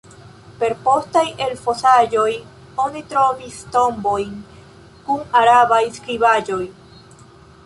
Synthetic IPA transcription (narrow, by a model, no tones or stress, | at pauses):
pe̞ɾpo̞st̪ajelfosad͡ʒo̞j | onit̪ɾovist̪o̞mbo̞jn | kuŋaɾaβajskɾiβad͡ʒo̞j